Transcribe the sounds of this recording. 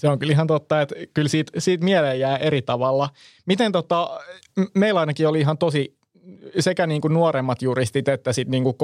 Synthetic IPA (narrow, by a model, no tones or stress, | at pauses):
seoŋkyliɦɑnt̪ot̪ːɑet̪kylsiːt̪siːt̪mielejjæːʔerit̪ɑʋɑlːɑ | mit̪ent̪ot̪ɑ | meilɑinɑkioliiɦɑnt̪osi | sekæniːŋkunuoɾemːɑt̪jurist̪it̪et̪ːæsit̪niːŋkuk